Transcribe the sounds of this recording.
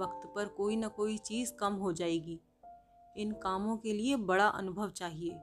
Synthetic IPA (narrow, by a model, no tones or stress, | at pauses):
ɐkt̪pɐɾkoːinɐkoːit͡ʃiːzkɐmɦod͡ʒaːeːɡiː | ɪnkaːmõkeliebɐɽaʔɐ̰nʊbʱəʋt͡ʃaːɦieː